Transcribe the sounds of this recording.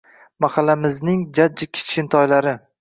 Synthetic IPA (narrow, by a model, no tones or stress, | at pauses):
maχɑlːamɪznɪŋd͡ʒad͡ʒːakʲʰɪ̥t͡ʃkʲɪnt̪ʰɒjlaɾɪ